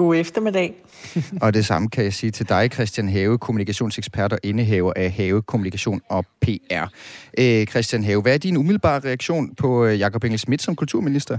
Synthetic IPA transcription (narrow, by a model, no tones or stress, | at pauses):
oefd̥ɐmed̥ɛː | ɒ̽d̥e̝sɑ̈məkʰæjɑ̈ɪsiːt͡sʰe̝ld̥ɑ̈ɪkʰʁɛsd̥jænɦɛːʊəkʰo̝munikʰæɕo̝̰ːnseɡ̥sb̥ʰæɐ̰d̥ɐʔe̝nəɦeʊɐʔæɦɛːʊəkʰo̝munikʰæɕo̝̰ːnɒ̽pʰe̝̰ːæɐ̰ʔkʰʁɛsd̥jænɦɛːʊʋæɐd̥inumiðˠl̩b̥ɑ̰̈ːʁɛæɡ̥ɕo̝̰ːnpʰɒ̽jɑ̈kʰɒ̽b̥eŋ̰l̩smid̥sɒ̽mkʰult͡sʰuɐ̰minisd̥ɐ